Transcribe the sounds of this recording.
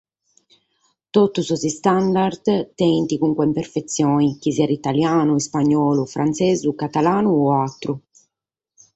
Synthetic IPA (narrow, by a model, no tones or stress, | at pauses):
t̪ot̪ːususist̪and̪ard̪t̪ːɛnt̪ikuŋkwɛimpeɾfet̪sːjɔːnikiziɛɾit̪aljaːnuispaɲːɔːlufɾʔant̪seːzukat̪alaːnuɔat̪ːɾu